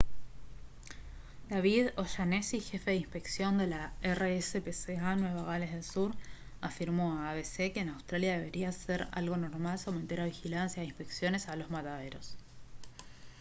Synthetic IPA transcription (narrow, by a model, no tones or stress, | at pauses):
d̪aβiðo̞ʃanesixe̞fe̞ðimpe̞ksjo̞nd̪elaereesepeseanwe̞βaɣale̞zðe̞lsuɾ | afiɾmo̞aβeseke̞ːnawst̪ɾaljaðe̞βe̞ɾiaseɾa̰lɣono̞ɾmalsowme̞nt̪eɾaβixilansjaeimpe̞ksjo̞ne̞salo̞zmat̪aðe̞ɾo̞̰s